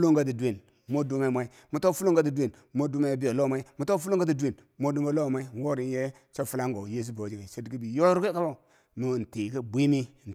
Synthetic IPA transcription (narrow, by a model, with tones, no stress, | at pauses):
lo˦ŋɡa˦ti˨du˨we˨n | mo˦du˦ma˦˨mʷa˨˦i˦ | mu˨to˦fu˦lo˦ŋɡa˦ti˨du˦e˨n | mo˦du˦ma˦˨bi˦jo˨lo˦˨ma˦i˦mu˦to˦fu˦lo˦ŋ˦ɡa˦ti˨du˦we˨n | mo˦du˦m˦a˦lo˦˨ma˦i˦n˨wo˦ɾi˨n˦je˦ | t͡ʃo˦fu˨˦la˦ŋɡo˨je˦s̬u˦bo˨d͡ʒi˨ɡe˨se˦dki˦bi˨jo˦ɾke˦ka˦bo˦ | nu˨n̩˨ti˨ki˦bʷi˦mi˦˨n̩˨